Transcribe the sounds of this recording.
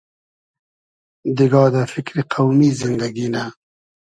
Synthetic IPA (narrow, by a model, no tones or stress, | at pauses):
d̪iɡɑːd̪əfɪkɾiqʰawmizɪnd̪aɡina